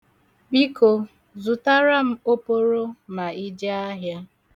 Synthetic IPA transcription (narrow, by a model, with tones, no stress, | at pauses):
bi˦ko˨ | zu˨ta˦ɾa˦m̩˦o˦po˦ɾo˦ma˨i˦d͡ʒe˦a˦ɦja˦